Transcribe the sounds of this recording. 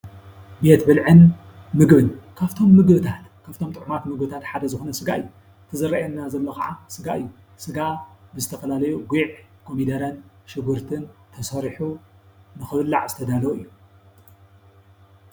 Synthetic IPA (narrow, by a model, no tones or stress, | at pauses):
be̞t̪bɨlʕɨn | mɨɡbɨnkʰaβt̪ʰo̞mːɨɡbɨt̪ʰat̪kʰaβt̪ʰo̞mt̪ʼɨʕmat̪mɨɡbɨt̪ʰat̪ħad̪ɐzɨxonɐsɨɡa̰ɨ̰jːu | t̪ʰɨzɐɾːajɐnːazɐlːokaʕasɨɡaʔɨjːusɨɡabɨzɨt̪ʰɐfɐlalɐjuɡuʕkʰomid̪ɐɾɐnʃɨɡuɾt̪ʰɨnt̪ʰɐsɐɾħunɨxɨβɨlːa̰ʕzɨt̪ʰɐd̪alɐɨjːu